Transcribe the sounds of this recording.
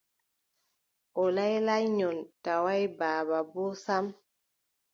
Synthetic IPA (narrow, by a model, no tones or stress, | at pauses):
ʔɔlajlajɲɔntawajbaːbabɔsam